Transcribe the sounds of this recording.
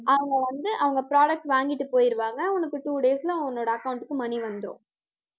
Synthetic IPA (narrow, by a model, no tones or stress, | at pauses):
ʔɐʋɐŋɡɐʋɐnd̪ɯʔɐʋɐŋɡɐpɪɾaːɽɐk̚ʈʋaːŋɡɪʈːɯpoːjɪɾɯʋaːŋɡɐʊnɐkːɯʈuːɽeːsɪlɐ̃nːoːɽɐːkɐʊɳʈɯkːɯmɐniʋɐnd̪ɯɾõ̰ː